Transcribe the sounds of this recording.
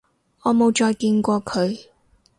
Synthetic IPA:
ŋɔː˨˧mo˨˧wt͡ʃɔː˧jkiː˧nkʷɔː˧kʰɵ˨˧ɥ

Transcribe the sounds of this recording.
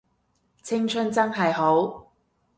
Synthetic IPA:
t͡sʰɪ˥ŋt͡ʃʰɵ˥nt͡sɐ˥ŋɦɐ˨jɦo˨˥w

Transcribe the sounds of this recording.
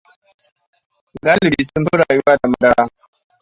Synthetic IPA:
ɡa˦lɾi˨su˦n˦ɸu˦ɽa˨ju˦wa˦da˨ma˨da˦ɽa˦

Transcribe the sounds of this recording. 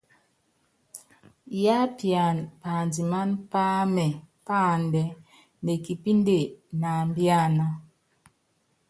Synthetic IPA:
ja˦pja˨npa˨ndi˨ma˦npa˦mɛ˨ | pa˦˨ndɛ˨˦ | ne˨ki˨pi˦nde˦˨na˨mbja˦˨na˨

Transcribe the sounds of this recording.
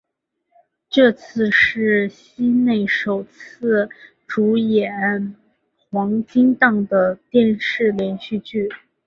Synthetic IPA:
ʈ͡ʂɤ˥˧t͡sʰɹ̩˥˧ʂɻ̩˥˩ɕi˥ne˥˩ɪʂo˨˩ʊt͡sʰɹ̩˥˩ | ʈ͡ʂu˧˥jɛ˨˩˥n | xwɑ˧˥ŋt͡ɕi˥ŋt̪ɑ˥˩ŋd̪ə˩t̪jɛ˥˧nʂɻ̩˥˩ljɛ˧˥nɕy˥˧t͡ɕy˥˩

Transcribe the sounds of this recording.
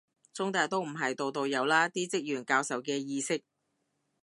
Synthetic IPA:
t͡sʊ˥ŋt̪aː˨˧jt̪o˥wm̩˨˩ɦɐ˨jt̪o˨˧wt̪o˧wjɐ˨˧wlaː˥t̪iː˥t͡sɪ˥k̚jyː˨˩nkaː˧wsɐ˨wkɛː˧jiː˧sɪ˥k̚

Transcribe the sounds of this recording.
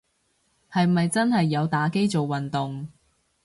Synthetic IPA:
hɐ˨jmɐ˨jt͡sɐ˥nɦɐ˨jːɐ˨˧wt̪aː˨˥ke˥jt͡so˨wːɐ˨nt̪ʊ˨ŋ

